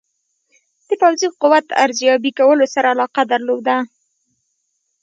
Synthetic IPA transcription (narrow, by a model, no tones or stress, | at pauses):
d̪̥əpawziqʊwat̪a̰ɾzjɑbikawəlosaɾaːlɑqad̪əɾlod̪a